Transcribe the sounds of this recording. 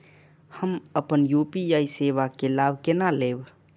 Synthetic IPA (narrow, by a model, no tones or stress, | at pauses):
həməpənjupiaisebakelabʱkenaleːb